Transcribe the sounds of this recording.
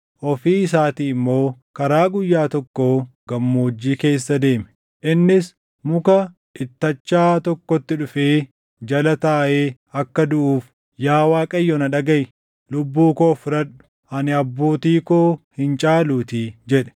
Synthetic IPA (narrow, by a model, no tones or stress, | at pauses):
ʔɔfiːɪsaːt̪iːɪmːo̞ː | kɐɾaːɡʊjːaːt̪ɔkːoːɡ̥ɐmːoːd͡ʒːiːke̞ːsːɐd̪e̞ːmɛ̥ | ʔɪnːɪs | mʊkɐ | ʔɪt̪ːɐt͡ʃːaːt̪ɔkːɔt̪ːɪᶑʊfeː | d͡ʒɐlɐt̪aːʔeː | ɐkːɐd̪ʊʔuːf | jaːwaːkʼɐjːɔnɐᶑɐɡɐj | lʊbːuːkoːfɪɾɐɗʊ̥ | ʔɐnɪɐbːo̞ːt̪iːkoːhɪnt͡ʃʼaːluːt̪id͡ʒɛᶑɛ̥